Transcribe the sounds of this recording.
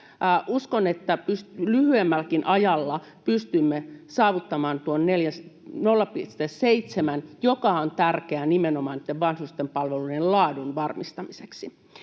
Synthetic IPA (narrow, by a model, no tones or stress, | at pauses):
ʔuskonet̪ːæpystlyhyemːælkinʔɑjɑlːɑ | pyst̪ymːesɑːʋut̪ːɑmɑːnt̪uonneljæsnolːɑpist̪esseit̪semænjokɑont̪ærkeænimenomɑːnit̪ːeʋʋɑnsust̪empɑlʋeluiellɑːdunʋɑrmist̪ɑmiseksi